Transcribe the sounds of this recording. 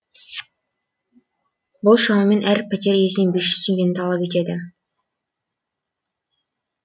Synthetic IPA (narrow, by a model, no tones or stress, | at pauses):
bʊlˠʃɑmɑmenʔæɾpʲʰæt̪ʲeɾijesɪnɪŋbyʃʏ̥st̪iŋɡʲenɪt̪ʰɑlˠɑpet̪ed̪ɪ